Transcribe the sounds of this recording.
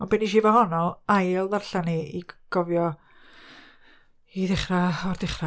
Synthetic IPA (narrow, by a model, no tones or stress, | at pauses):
ɔnbɪniʃivahɔnɔajlˠðarɬaniiɡ̥ɔvjɔ | iðɪχraɔrðɪχra